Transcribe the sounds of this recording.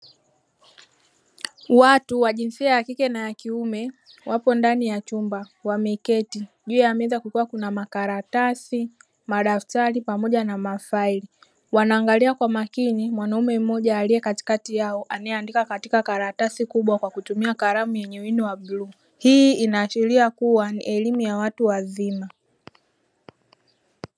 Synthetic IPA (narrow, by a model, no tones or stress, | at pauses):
watuwaʄinsiajakikɛnajakiumɛ | wapɔndanijat͡ʃumba | wamɛkɛti | ʄuːjamɛzakukuwakunamakaɾatasi | maɗaftaɾipamɔʄanamafaili | wanaːŋɡaliakwamakinimwanaumɛm̩mɔʄaːlijɛkati̥katijaɔʔanaɛandikakatikakaɾatasikuɓwakwakutumiakaɾamujɛɲɛwiniwaɓluː | hiːinaːʃiɾiakuwanḭʔɛlimujawatuwazima